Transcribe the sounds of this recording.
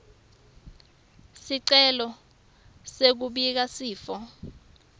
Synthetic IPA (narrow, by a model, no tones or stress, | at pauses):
siǀɛlɔ | sek̬uɓik̬asiːfɔ